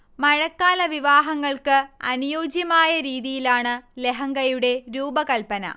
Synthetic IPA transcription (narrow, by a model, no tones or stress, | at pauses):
mɐɻɐkːaːlɐʋiʋaːɦɐŋːɐɭkɨɐ̰nujoːd͡ʑjɐmaːjɐɾiːðijilaːɳɨle̞ɦɐŋɡɐjuɽe̞ɾuːbɐkɐlpɐnɐ̰